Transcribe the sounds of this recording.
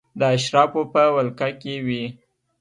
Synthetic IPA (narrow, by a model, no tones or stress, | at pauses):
d̪əaʃɾɑfopəwalkakewi